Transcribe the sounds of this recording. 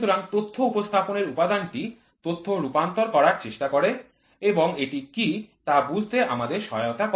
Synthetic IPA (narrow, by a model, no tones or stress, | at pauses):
oɾaŋt̪ot̪ʰːoupost̪ʰaponeɾupad̪anʈi | t̪ot̪ʰːoɾupant̪oɾkɔɾaɾt͡ɕeʃʈakoɾe | eboŋeʈikit̪abud͡ʑʱt̪eʔamad̪eɾʃɔot̪ak